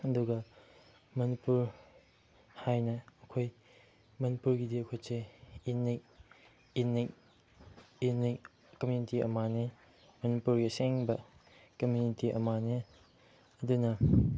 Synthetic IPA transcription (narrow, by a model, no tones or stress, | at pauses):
ɐduɡɐ | mɐnipuɾ | hajnɐːkʰoj | mɐnipuɾɡidiɐkʰojseinej | ini | inij | kɐmjunitiɐ̰mane | mɐnipuɾɡiseŋbɐkɐmjunitiʔɐ̰mane | ɐdunɐ